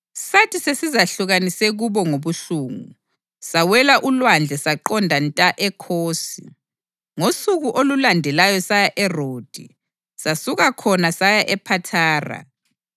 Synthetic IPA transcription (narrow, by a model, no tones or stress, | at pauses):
satʰisesizaɬuɣanisɛɣuβɔŋoβuɬuːŋu | sawɛlaʔulwand͡ɮʱɛsaǃɔndʱantʼaʔɛkʰoːsi | ŋosuɣuʔolulandʱɛlajɔsajaʔɛroːd̥ʱḭ | sasuɣakʰɔnasajaʔɛpʰatʰaːra̰